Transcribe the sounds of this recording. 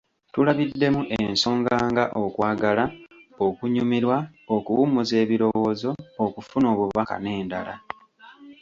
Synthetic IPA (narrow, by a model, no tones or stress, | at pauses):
tulaβidːe̞muʔenso̞ːŋɡaːŋɡaʔo̞kwaːɡalaokuɲumiɾwaokuwumuze̞ːβiɾo̞wo̞ːzo̞ːkufuno̞ːβuβaka̰ne̞ːndala